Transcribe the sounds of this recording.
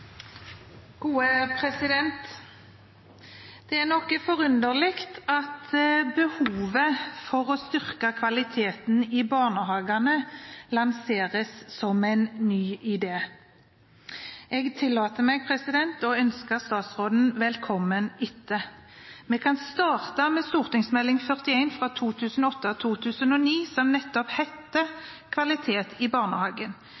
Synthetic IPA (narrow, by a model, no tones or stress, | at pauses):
ɡ̥uːəpʰʁɛsɪd̪ɛnt̪ | d̪̥ɛæʁnɔkːəfɔʁʉnd̪əʁlɪkt̪ɑt̪bəhuːʋəfɔʁoːst̪ʏʁkɑkʰʋɑlɪt̪ʰeːt̪nɪbɑːʁnəhɑːɡɑnəlɑnseːʁəssɔmæɪnnyːɪd̪eː | ɛɡt̪ʰɪlːɑːt̪əmɛːɡ̚pʰʁɛsɪd̪ɛnt̪ɔœnskəst̪ɑːt̪sʁoːd̪n̩ʋɛlkʰɔmːənʏt̪ːəmɛkʰɑnst̪ɑːʁt̪ɑmeːst̪uːʁt̪ɪŋsmɛlːɪŋfœʁt̪ɪæɪnfʁɑt̪ʰuːt̪ʰʉːsənɔɔt̪ːət̪ʰuːt̪ʰʉːsənɔniːsɔmnɛt̪ːɔphɛt̪ːəkʰʋɑlɪt̪ʰeːt̪ʰɪbɑːʁnəhɑːɡən